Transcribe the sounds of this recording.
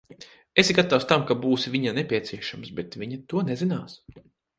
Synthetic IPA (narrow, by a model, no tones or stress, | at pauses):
esɡat̪awst̪amkabuːsivʲiɲanepʲiɛt̪siɛʃamsbet̪vʲiɲat̪uɔnɛzinaːs